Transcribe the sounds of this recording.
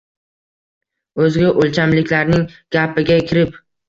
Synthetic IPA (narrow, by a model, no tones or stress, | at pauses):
ɵzɡʲaʔolt͡ʃʰamlɪkʲlaɾnɪŋɡ̥ʲapɪɡʲakʲʰɪɾɪp